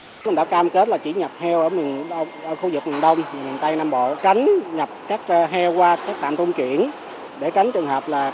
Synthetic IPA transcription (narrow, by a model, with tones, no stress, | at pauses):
nɗa̰˧˦kaː˧mke˦˥t̚laː˨˩t͡ɕḭ˧˩ɲa˨˩p̚hɛ˧wʔəː˧˩mi˨˩˧ʔəː˧˩xu˧zɨ˨˩k̚ma˨˩nɗə˧wŋ͡mma˨˩mi˨˩t̪a˧jnaː˧mɓo̰˧˨t͡ɕa˨˦jŋ̟ɲa˨˩p̚kaː˦˥k̚ːɦɛ˧wkwaː˧kaː˦˥k̚t̪a̰˧˨mt̪u˧ŋ͡mkḭ˧˨ən | ɗe˧˩t͡ɕa˨˦jŋ̟t͡ɕɨ˨˩əŋhəː˨˩p̚laː˨˩